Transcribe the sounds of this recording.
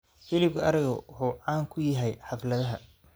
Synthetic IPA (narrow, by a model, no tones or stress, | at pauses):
fɪlɪb̚kʰɐɐɾɪɣɐwʊħuːʕɑːŋkʰʊjɐɦɛjħɑflɐðɐɦɐ